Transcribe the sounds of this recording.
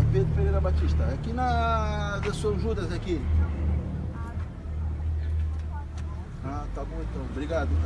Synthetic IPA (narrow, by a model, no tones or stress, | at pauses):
ved̪ʊpɾimejɾɐbat͡ʃiʃt̪ɐakinɐzesuɐ̃ʒud̪ɐzaki | at̪abõẽt̪ɐ̃w̃bɾiɡad̪ʊ